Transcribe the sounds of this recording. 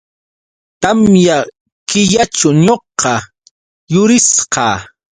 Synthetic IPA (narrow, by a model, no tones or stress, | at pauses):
t̪amja | kɪʎaʈ͡ʂaɲoqɑ | jʊɾɪsqɑ̰ː